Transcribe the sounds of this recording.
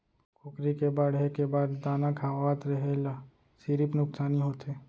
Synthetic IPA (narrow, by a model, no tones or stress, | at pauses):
kʰʊkɾikebaːɽɦekebaːd̪ːaːnakʰaaːt̪ɾəɦela | siɾipnʊksaːniɦoːt̪eː